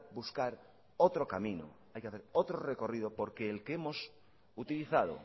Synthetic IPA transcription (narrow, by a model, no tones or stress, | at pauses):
buskaɾ | ot̪ɾokamĩno̰ | ajkeaθe̞ɾot̪ɾoreko̞rið̞opoɾkeːlkeemo̞s | ut̪iliθað̞o̰